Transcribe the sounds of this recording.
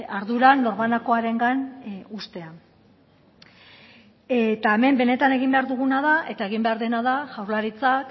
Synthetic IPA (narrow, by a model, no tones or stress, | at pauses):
aɾðuɾanːo̞ɾmanako̞aɾe̞ŋɡanust̪e̞a | et̪ae̞me̞mbe̞ne̞t̪ane̞ɣ̞imbe̞aɾðuɣunaðaʔe̞t̪ae̞ɣ̞imbe̞aɾðe̞naðaʝawɾlaɾit͡sak